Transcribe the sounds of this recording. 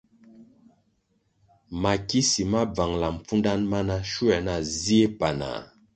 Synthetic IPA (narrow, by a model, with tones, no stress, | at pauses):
ma˨ki˦si˨ma˦b͡va˨ŋla˨m̩˨p͡fu˦nda˦nma˦na˦ʃu˦ɛ˨na˨zi˦e˦pa˨na̰˨